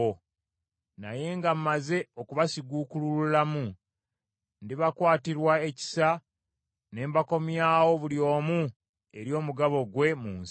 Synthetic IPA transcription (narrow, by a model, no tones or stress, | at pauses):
o | na̰je̞ŋɡam̩maze̞o̞kuβasiɡuːkulululamu | ndiβakwaːtiɾwae̞ci̥sa | ne̞ːmbako̞mjaːwo̞βuljo̞ːmu | e̞ɾjo̞ːmuɡaβo̞ɡwe̞muːns